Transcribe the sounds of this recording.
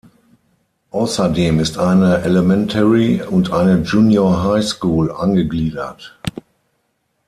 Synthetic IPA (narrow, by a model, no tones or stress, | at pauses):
ʔaʊsɐdeːmɪstʔaɪnəʔɛləmɛntʰɛʁiʊntʔaɪnəd͡ʒuːnjoɐɦaɪskuːlʔa̰nɡəɡliːdɐt